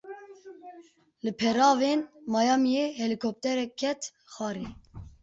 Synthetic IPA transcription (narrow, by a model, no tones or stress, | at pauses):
lɨpʰɛɾɑːveːnmɑːjɑːmijeːhɛlikʰop̚t̪ɛɾɛkʰːɛt̪ | xɑːɾeː